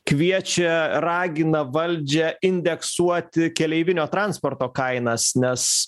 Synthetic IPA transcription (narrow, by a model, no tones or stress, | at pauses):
kʋʲiɛt͡ʃʲɛɾɑːɡʲɪnɐʋɐlʲd͡ʒʲɛɪnʲd̪ʲɛksuɔt̪ʲɪkʲɛlʲɛɪʋʲɪnʲoːt̪ɾɐnspoːrt̪oːkɐɪnɐsnʲɛs